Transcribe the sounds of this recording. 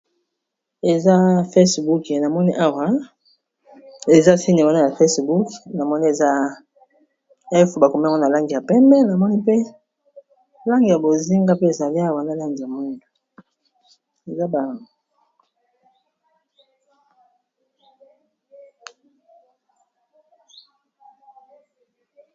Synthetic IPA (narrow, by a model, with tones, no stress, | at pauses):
e˨za˦fe˦sbu˦kna˨mɔ˦ni˦ʔa˦wa˦ | e˨za˦si˦ni˨wa˦na˦na˨fe˦sbu˦kna˨mɔ˦ni˦e˨za˦ | ɛ˦fba˨ko˨mi˦a˦˨ŋɡɔ˦na˨la˦ŋɡi˨ja˨pɛ˦mbɛ˦na˨mɔ˦ni˦pe˦ | la˦ŋɡi˨ja˨bo˨zi˦ŋɡa˦pe˦e˨za˨li˦a˦wa˨na˨˦la˦ŋɡi˨ja˨mu˦ndu˨ | e˨za˦ba˨ŋ˨